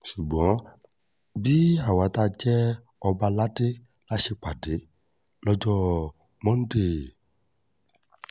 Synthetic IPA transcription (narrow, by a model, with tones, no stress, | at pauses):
ʃu˨ɡ͡bɔ̃˨˦ | bi˦a˦˨wa˨˦ta˦˧d͡ʒɛ˦ɔ˧ba˧la˦de˦la˦ʃe˧k͡pa˨de˨˦ | lɔ˧d͡ʒɔ˦ | mɔ̃˦n̩˦de˦˨